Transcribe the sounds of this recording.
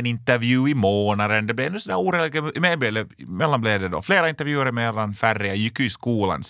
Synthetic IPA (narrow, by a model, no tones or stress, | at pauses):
nɪnt̪əɾvjʉːɪmoːnɑd̪ənd̪ɛblɛɛnːʉsɔnd̪æːɾuːɾɛːlɪɡəmeːd̪beːlə | mɛlːanbleːd̪ɛd̪ɔ̰fleːɾaɪnt̪ːəɾvjʉːəɾɪmeːlanfærɪɑjɪkːʉɪskuːlɑ̰ns